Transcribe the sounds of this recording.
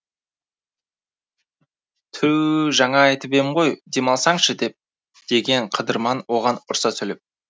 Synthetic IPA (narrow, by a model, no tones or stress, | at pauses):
t̪ʰʏwʒɑɴɑːjt̪əpe̞mɪɴʁo̞jd̪e̞mɑlˠsɑɴʃəd̪e̞p̚ | d̪̥e̞ɡʲe̞ɴqʰəd̪əɾmɑnwo̞ʁɑnʊɾsɑsʰɵlep̚